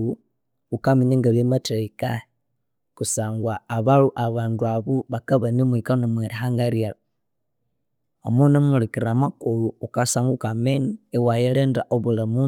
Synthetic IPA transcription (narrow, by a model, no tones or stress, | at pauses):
u | ukamiɲeŋɡaβemateika | kusaːŋɡwaːβaluʔaβaːnduaβuβakaβanimwikanomweɾiɦaŋɡaɾiala | omunamulikiɾamakoluːkasaːŋɡukameniewajeleːndaʔoβulamu